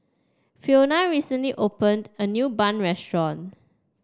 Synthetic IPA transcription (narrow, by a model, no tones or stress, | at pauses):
fionaɹisə̃nliʔopə̃ndənjuːbãnɹɛstɹɔ̃n